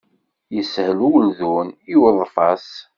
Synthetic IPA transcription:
jəshluwlðuniwəðˤfɑs

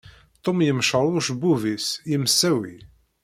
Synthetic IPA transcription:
t̪ˤːomjəmʃəɾˤʊʃbuvisjəmsːæwḭ

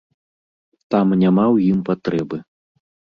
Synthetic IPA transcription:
t̪amnʲamawjimpat̪ɾɛbɨ

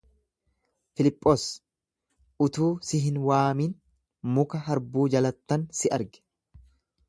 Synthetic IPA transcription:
fɪlɪpʼːoːs | ʔʊt̪uːsɪɦɪnwaːmiːn | mʊkɐɦɐɾbuːd͡ʒɐlɐt̪ːɐnsɪʔɐɾɡɛ̥

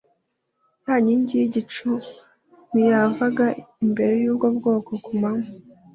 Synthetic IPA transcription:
jaːɲiɲɟijiɟit͡ʃu | nijavaɡaimbe̞ɾe̞juːbɡobɡo̞ːkokumamu

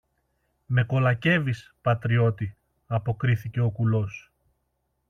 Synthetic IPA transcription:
me̞ko̞lɐce̞vispɐt̪ɾio̞t̪i | ɐpo̞kɾiθice̞o̞kulo̞s

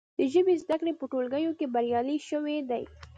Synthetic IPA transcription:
d̪əʒəbezd̪akɽepəʈolɡəjokebaɾjɑliʃəwed̪aj

